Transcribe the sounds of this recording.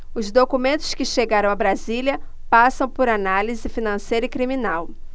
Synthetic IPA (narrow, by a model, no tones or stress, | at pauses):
ʊzd̪okumẽnt̪ʊ̥skɪʃeɡaɾɐ̃w̃abɾaziljɐ | pasɐ̃w̃poɾanalizɪfinɐ̃sejɾɐɪkɾiminaw